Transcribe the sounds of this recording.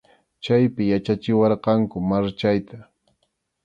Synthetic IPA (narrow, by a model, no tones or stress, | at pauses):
t͡ʃajpɪjat͡ʃat͡ʃɪwɑɾqɑŋkʊmaɾt͡ʃajt̪a